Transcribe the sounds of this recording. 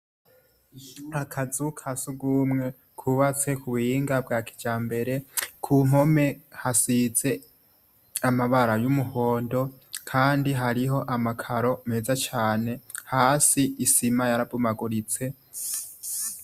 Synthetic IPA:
akʰazukʰasuɡumŋe̞ | kʰuβat͡se̞kʰuβujiːŋɡabɡaki̥d͡ʒaːmbe̞ɾe̞kʰum̥o̞me̞hasize̞ | amaβaɾajumuhoːndo̞kʰaːndiɦaɾiɦo̞ʔamakʰaɾo̞me̞ːzat͡ʃaːne̞haːsiisimajaɾabumaɡuɾit͡se̞

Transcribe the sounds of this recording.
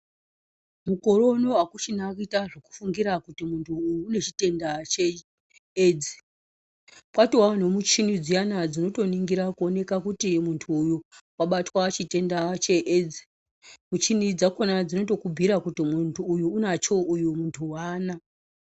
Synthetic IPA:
muko̞ɾo̞no̞akut͡ʃinakitaʐoku̥fuŋɡiɾakutimuntʰuːjuːne̞t͡ʃite̞ndat͡ʃe | ed͡zi̥ | ɓwatiwan̤omut͡ʃinid͡zijanad͡zino̞to̞niŋɡiɾakuo̞ne̞kakutimuntʰuːjuwaɓatwat͡ʃite̞ndat͡ʃe̞ʔed͡zi̥ | mut͡ʃinid͡zakonad͡zino̞to̞kubʱiɾakutimuntʰuːjuːnat͡ʃo̞ʔujumuntʰuwaːna

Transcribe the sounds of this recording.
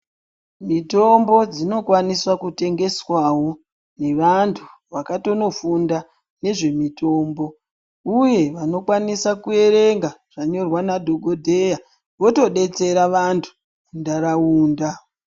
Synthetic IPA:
mito̞mbo̞d͡zino̞kwaniswakute̞ŋɡe̞swawo̞ | ne̞ʋantʰuʋakato̞no̞funda | ne̞ʐe̞mito̞ːmbo̞ | uje̞ʋano̞kwanisakue̞ɾe̞ŋɡaʐ̥aɲo̞rwanadʱoɡʱodʱe̞ja | ʋo̞to̞ɗe̞t͡se̞ɾaʋantʰu̥ | kundaɾauːnda

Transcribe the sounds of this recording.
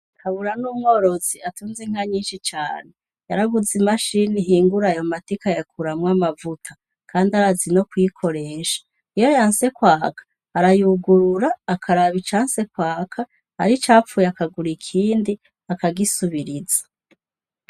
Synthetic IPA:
kʰaβuɾanuːmŋo̞ːɾo̞ziatuːnziŋ̥haɲiːnʃit͡ʃa̰ːne̞ | jaɾaɡuzimaʃiniɦiːŋɡuɾajo̞matikajakuɾamwamavutʰa | kʰaːndiaɾazino̞kwikʰo̞ɾe̞ːʃḁ | ijo̞jaːnse̞kwaːkʰḁː | ɾajuɡuɾuɾaːkʰaɾaβit͡ʃaːnse̞kwaːkʰa | a̰ɾit͡ʃaːfujakaɡuɾikʰiːndi | akaɡisuβiɾiza

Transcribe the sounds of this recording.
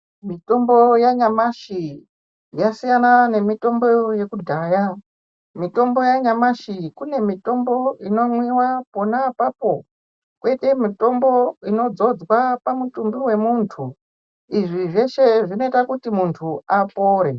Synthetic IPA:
mito̞mbo̞jaɲamaʃi | jasijanane̞mito̞mbo̞je̞kudʱaːja | mito̞mbo̞jaɲamaʃikune̞mito̞mbo̞ino̞mwiwapo̞napaːpo̞ | kwe̞te̞mito̞mbo̞ino̞d͡zo̞d͡zwapamutumbiwe̞muntʰu | iʐiʐe̞ʃe̞ʐino̞itakutimuntʰuapoːɾe

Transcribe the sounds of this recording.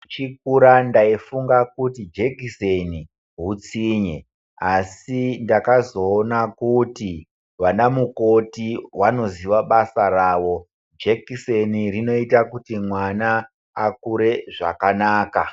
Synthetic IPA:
t͡ʃik̚uɾandaifuŋɡakutid͡ʒekiseni | ɦut͡siɲe̞ | asindakazo̞ːnakuti | ʋanamuko̞tiwano̞ziʋaɓasaraːʋo̞ | d͡ʒekisenirino̞itakutimwanaː | kuɾe̞ʐa̰kanaːka

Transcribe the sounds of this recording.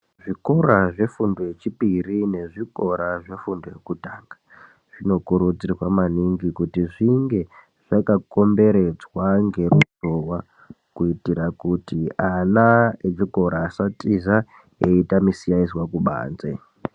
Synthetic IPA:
ʐiko̞ɾaʐe̞fundojet͡ʃipirine̞ʐiko̞ɾaʐe̞fundojekutaːŋɡḁ | ʐ̥ino̞kuɾud͡zirwamaniŋɡikutiʐiŋɡe̞ | ʐ̥akako̞mbe̞ɾe̞d͡zwaŋɡe̞rusowa | kuitiɾakutianaeʐiko̞ɾaːsatiza | eitamisijaiswakuɓa̰ːnze̞̰

